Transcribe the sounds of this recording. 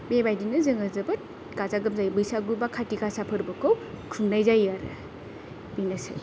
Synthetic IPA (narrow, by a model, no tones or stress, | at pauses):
bebajdinɯzɯŋɐzɐbɯt̚ | ɡazaɡɯmzajbɯjsaɡubakʰatikasapʰɯɾbɯkowkʰumnajzajaɾɯ̰ | binasa̰j